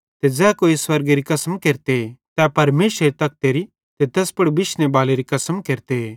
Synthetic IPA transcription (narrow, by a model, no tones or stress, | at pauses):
t̪ed͡zɛːkoːiswɐɾɡeɾikɐsəmkeːɾt̪et̪ɛpɐɾmeːsɾɾit̪ɐk̚t̪eɾi | t̪et̪ɐspɐɽbɪʃnebaːleɾikɐsəmkeːɾt̪ee